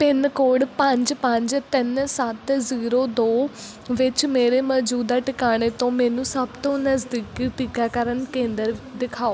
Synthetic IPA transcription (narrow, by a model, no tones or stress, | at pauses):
pɪnkoːɽpəɲd͡ʒpəɲd͡ʒt̪ɪnsət̪ziːɾoːd̪oː | ʋɪt͡ʃmeːɾeːmɔːd͡ʒuːd̪aːʈɪkaːɽ̃eːt̪õːmɛːnũːsəbt̪õːnəzd̪iːkiːʈ̪iːkaːkəɾənkẽːnd̪əɾd̪ɪkʰaːoː